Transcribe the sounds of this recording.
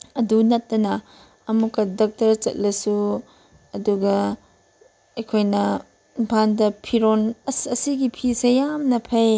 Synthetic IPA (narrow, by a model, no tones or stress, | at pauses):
ɐdunɐtːɐnɐ | ɐmukːɐdok̚tɐɾt͡ʃɐ̰t̚lɐsu | ɐduɡɐ | ɐjkʰojnɐ | bʰʱandɐpʰiɾonɐsɐsiɡipʰisejamnɐpʰɐj